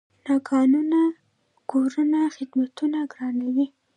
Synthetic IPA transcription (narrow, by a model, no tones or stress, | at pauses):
nɑkʰɑnuna | ɡ̥oɾənaxɪd̪mat̪unaɡɾɑnawi